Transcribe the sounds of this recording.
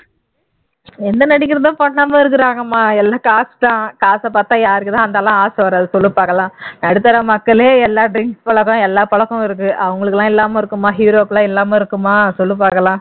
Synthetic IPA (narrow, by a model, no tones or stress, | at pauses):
ɛnd̪ɐnɐɽɪkːɪɾɐðãːpɐɳːɐːmaːɪɾɯkːɪɾãːŋɡɐmːaːɛlːaːkaːst̪ãːkaːsɐpaːt̪ːãːjaːɾɾɯkːɯt̪ãːɐnd̪ɐːlːãːaːsɐʋɐɾaðɯsɔlːɯpaːkɐlãːnɐɽɯt̪ːɐɾɐmɐkːɐɭeːɛlːaːɖɾɪŋkspɐɭɐkːɔ̃ɛlːaːpɐɭɐkːɔ̃ɪɾɯkːɯʔɐʋɐŋɡɐɭɯkːɯlãːɪɛlːaːmeːɪɾɯkːɯmaːɦiːɾoːkːlãːɛlːaːmeːɪɾɯkːɯmaːsɔlːɯpaːkɐlãː